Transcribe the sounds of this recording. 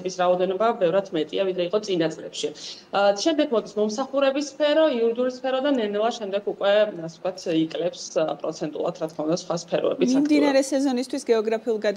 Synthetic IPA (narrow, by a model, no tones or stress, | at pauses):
bisɾaɔd̪ɛnɔbabɛvɾat̪ʰmɛt̪ʼiavid̪ɾɛiqʼɔt̪sʼinat̪sʼlɛpʃiʃɛmd̪ɛɡmɔd̪ismɔmsaχuɾɛbisːpʰɛɾɔiuɾid̪uɾispʰɛɾɔd̪anɛnɛlˠaʃɛmd̪ɛɡukʼwɛasɛt̪̚kwat̪ʰikʼlɛpspʼɾɔt̪sʰɛnt̪ʼulˠa̰t̪ʰɾat̪kʰmaund̪asχwaspʰɛɾɔ̰ɛ̰bismiad̪inaɾɛsɛzɔnist̪ʰwisɡɛɔɡɾapʰiulˠɡad̪